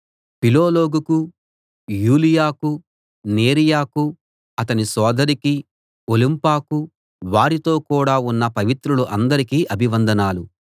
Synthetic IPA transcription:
piloːloːɡuku | juːlijaːku | neːɾijaːku | ɐt̪̬ɐnisɔːd̪ɐɾiki | olimpaːku | ʋaːɾit̪o̞ːkuːɽaːunːɐpɐʋit̪ɾuluʔɐnd̪ɐɾikiːʔɐbʱiʋɐnd̪ɐnaːlu

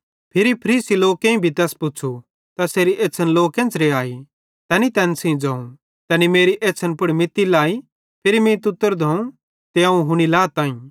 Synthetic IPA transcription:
pʰɪɾipʰəɾiːsiloːkẽĩbʱit̪ɛːspʊːt͡ʃʰu | t̪ɐseːɾiʔeːtːsʰənloːkẽːnt͡sɾeaːi | t̪ɛːnit̪ɛːnsĩd͡zɐ̃ːũ | t̪ɛːnimeːɾiʔeːsʰənpʊɽimɪt̪ːilaːi | pʰɪɾimẽt̪ʊt̪ːəɾd̪ʱɐũ | t̪eãũɦʊɽ̃ilaːt̪ãːĩ

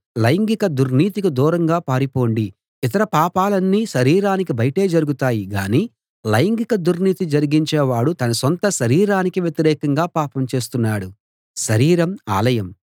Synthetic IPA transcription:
lɐjɐŋɡikɐd̪uɾniːt̪ikud̪uːɾɐŋɡaːpaːɾipo̞ːɳɖi | it̪ɐɾɐpaːpaːlɐnːiːʃɐɾiːɾaːnikibɐjɐʈe̞ːd͡ʒɐɾuɡut̪aːjiɡa̰ːniː | lɐjɐŋɡikɐd̪uɾniːt̪id͡ʒɐɾiɡiɲt͡ʃeːʋaːɽut̪ɐnɐsont̪ɐʃɐɾiːɾaːnikiʋjeɛt̪iɾɛːkɐŋɡaːpaːpɐmt͡ʃe̞ːst̪unːaːɽu | ʃɐɾiːɾɐma̰ːlɐjɐm

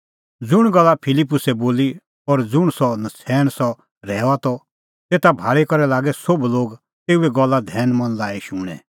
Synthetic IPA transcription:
d͡zʊɽ̃ɡɐlːapʰɪlipːʊsɛboːli | ɔɾd͡zʊɽ̃sɔnɐsʰɛːɽ̃sɔ | ɾɛːat̪ɔ | t̪eːt̪abʱaːɭikɔɾɛlaːɡɛsobloːɡ | t̪eːuɛɡɔlːad̪ʱɛːnmɐ̃nlaːiʃuːɽ̃ɛ̰̃

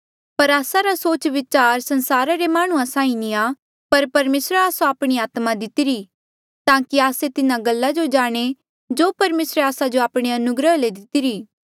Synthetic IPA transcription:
pɐɾaːsaɾasoːt͡ʃʋɪt͡ʃaːɾsɐ̃nsaːɾaɾemaːɽ̃ʊãsãːĩnĩaː | pɐɾpɐɾmeːsɾaːsoaːpɽ̃iaːt̪mad̪ɪt̪iɾi | t̪ãːkiaːset̪ɪnãɡɐlːad͡ʒod͡ʒaːɽ̃e | d͡ʒoːpɐɾmeːsɾaːsad͡ʒoaːpɽ̃eɐnʊɡɾəɦled̪ɪt̪iɾiː

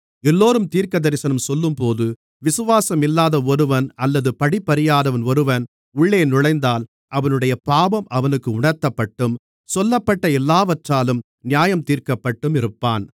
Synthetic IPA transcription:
ɛlːoːɾɯmt̪iːɾkɐðɐɾɪsɐnɐmsɔlːɯmpoːðɯ | ʋɪsɯʋaːsɐmɪlːaːðɐɔɾɯʋɐnɐlːɐðɯpɐɽɪpːɐɾɪjaːðɐʋɐnɔɾɯʋɐn | ʊɭːeːnʊɻɐɪnd̪aːl | ʔɐʋɐnɯɽɐjɐpaːbɐmɐʋɐnɯkːɯʊɳɐɾt̪ːɐpːɐʈːɯm | sɔlːɐpːɐʈːɐɛlːaːʋɐʈraːlɯm | nɪjaːjɐmt̪iːɾkɐpːɐʈːɯmɪɾɯpːaːn

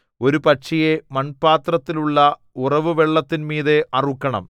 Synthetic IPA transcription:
o̞ɾupɐʂijemɐnpaːt̪rɐt̪ːiluɭːɐ | urɐʋɨʋeɭːɐt̪ːinmiːðe̞ʔɐrukːɐɳɐ̰m

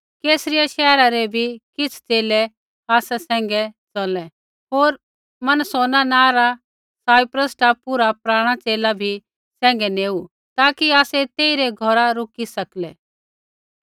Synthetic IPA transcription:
keːsɾijaʃɛːɾaɾɛbʱikɪt͡sʰt͡seːlɛ | aːsɛsɛ̃ːŋɡɛt͡sɔlɛ | ɦoːɾ | mɐnsoːnanãːɾa | saːɪpɾəsʈapuːɾapɾaːɽ̃at͡seːlabʱi | sɛ̃ːŋ̆ɡɛneːu | t̪aːkiaːsɛt̪eːiɾɛɡʱɔɾaɾʊkisɐklɛː

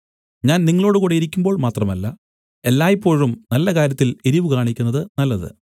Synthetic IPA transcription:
ɲaːnniŋːɐɭo̞ːɽɨkuːɽejiɾikʲːumbo̞ːɭmaːt̪rɐmɐlːɐ | e̞lːaːjipːo̞ːɻumnɐlːɐkaːɾjɐt̪ːileɾiʋɨɡaːɳikʲːunːɐðɨnɐlːɐðɨ̰

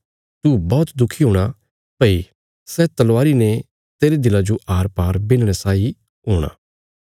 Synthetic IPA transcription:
t̪ubɔːt̪d̪ʊkʰiɦoːɽ̃a | pəi | sɛt̪ɐlʋaːɾine | t̪eːɾed̪ɪlad͡ʒoʔaːɾpaːɾbɪnɽ̃asaːi | ɦoːɽ̃a̰ː

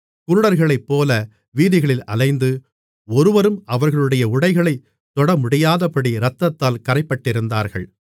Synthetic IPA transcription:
kʊɾʊɽɐɾɣɐɭɐɪpːoːlɐ | ʋiːðɪɣɐɭɪlɐ̰lɐɪnd̪ɯ | ɔɾɯʋɐɾɯmɐʋɐɾɣɐɭɯɽɐjɐʊɽɐɪɣɐɭɐɪ | t̪ːɔɽɐmʊɽɪjaːðɐpɐɽiɾɐt̪ːɐt̪ːaːlkɐɾɐɪpːɐʈːɪɾɯnd̪a̰ːɾɣɐ̰ɭ

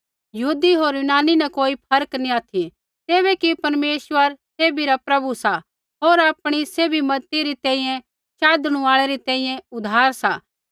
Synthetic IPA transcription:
jɐɦuːd̪iɦoːɾjʊnaːninɐkoːipʰɐɾəknĩaːt̪ʰi | t̪eːβɛkipɐɾmeːʃwəɾseːbiɾapɾɐbusa | ɦoːɾaːpɽ̃iseːbimɐt̪iɾit̪ɛ̃ːĩjɛ̃ | ʃaːd̪ɽ̃ũaːɭeɾit̪ɛ̃ːĩjɛ̃ʊd̪ʱaːɾsa

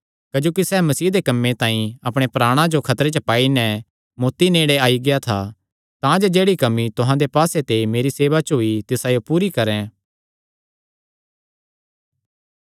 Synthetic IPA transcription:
kɐd͡ʒoːkisɛːmɐsiːd̪ekɐmːẽt̪ãːĩɐpɽ̃epɾaːɽ̃ãd͡ʒokʰɐt̪ɾet͡ʃəpaːinɛ | moːt̪ineːɽeaːiɡɪjat̪ʰa | t̪ãd͡ʒed͡ʒeːɽikɐmit̪ʊɦãd̪epaːset̪emeːɾiseːʋat͡ʃɦoːit̪ɪsajopuːɾikɐɾɛ̃

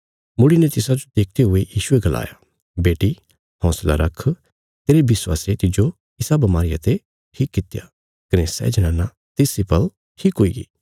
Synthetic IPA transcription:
mʊɽinet̪ɪsad͡ʒod̪eːk̚ʰt̪eɦʊejiːʃʊeɡɐla̰ːja | beːʈi | hɔ̃ːsla̰ɾɐkʰː | t̪eːɾebɪswa̰ːset̪ɪd͡ʒo | ɪsabɐmaːɾɪja̰t̪e | ʈʰiːkːɪt̪ja̰ | kɐnesɛ̰ːd͡ʒɐnãːnːa | t̪ɪːsipɐl | ʈʰiːkɦoḭɡḭː

